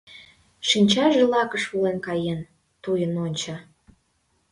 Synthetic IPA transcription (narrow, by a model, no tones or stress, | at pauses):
ʃinʲt͡ɕɑʒelɑkəʃulenkɑjen | t̪ujənonʲt͡ɕɑ